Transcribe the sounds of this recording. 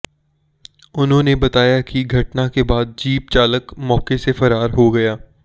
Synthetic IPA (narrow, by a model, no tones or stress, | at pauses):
ʊnɦõːnebɐt̪aːjakiɡʱɐʈnakebaːd̪̚d͡ʒiːp̚t͡ʃaːləkmɔːkesefɐɾaːɾɦoɡɐjaː